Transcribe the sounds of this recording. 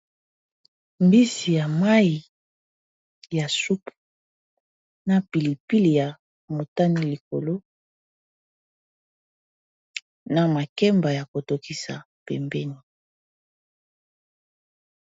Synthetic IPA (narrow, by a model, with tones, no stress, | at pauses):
mbi˦si˨ja˨ma˦i˨ | ja˨su˦pu̥˨ | na˨pi˨li˨pi˦li˨ja˨ | mo˨ta˦ni˦li˨ko˨lo˦ | na˨ma˨kɛ˦mba˨ja˨ko˨to˨ki˨sa˨ | pɛ˨mbɛ˦ni˨